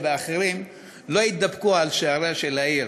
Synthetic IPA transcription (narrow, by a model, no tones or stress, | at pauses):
veaχeɾim | lo̞it̪̚d̪abkualʃeaɾaʃelaiɾ